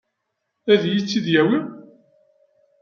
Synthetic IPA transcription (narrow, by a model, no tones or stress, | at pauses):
æðjit͡sːiðjæwi